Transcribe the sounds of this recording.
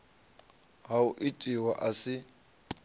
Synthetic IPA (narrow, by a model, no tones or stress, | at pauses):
ɦaʊʔitʼiwaʔasɪ